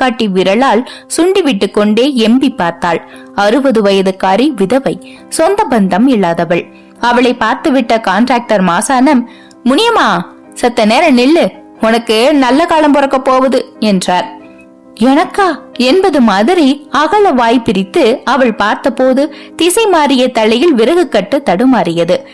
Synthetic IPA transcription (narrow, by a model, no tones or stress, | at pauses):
kɐʈːiʋɪɾɐɭaːlsʊɳɖiʋɪʈːɯkːɔɳɖeːɛmbipːaːɾt̪aːɭ | ɐɾɯbɐðɯʋɐjɐðɯkːaːɾiʋɪðɐʋɐɪ | sɔnd̪ɐbɐnd̪ɐmɪɭːaːðɐʋɐɭ | ɐʋɐɭɐɪpːaːɾt̪ɯʋɪʈːɐkaːɳʈɾaːk̚ʈɐɾmaːsaːnɐmː | ʊnɪjɐmaː | sɐt̪ːɐneːɾɐnɪlːɯ | ʊnɐkːɯnɐlːɐkaːlɐmpɔɾɐkːɐpːoːʋɐðɯɛndraːɾ | ɛnɐkːaːɛnbɐðɯmaːðɪɾiɐɣɐɭɐʋaːjpɪɾɪt̪ːɯɐʋɐɭpaːɾt̪ɐpːoːðɯt̪ɪsɐɪmaːɾɪjɐt̪ɐɭːɪjɪlʋɪɾɐɣɯkːɐʈːɯt̪ːɐɽɯmaːɾɪjɐðɯ